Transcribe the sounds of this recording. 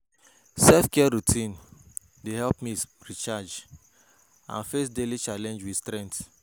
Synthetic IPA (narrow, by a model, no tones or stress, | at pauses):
sɛlfkɛɛɹutʰĩn | dehɛlpmiɹit͡ʃad͡ʒ | ã̰nfesdelit͡ʃalɛ̃nd͡ʒwi̥stɾɛ̃nt